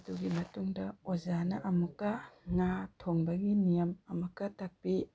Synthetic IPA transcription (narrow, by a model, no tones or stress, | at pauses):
duɡimɐtuŋdɐozanɐʔɐmukːɐŋatʰoŋbɐɡinijɐmɐmɐkːɐtak̚pi